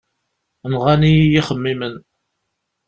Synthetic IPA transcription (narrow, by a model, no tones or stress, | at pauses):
nʁanijjiχəmːimən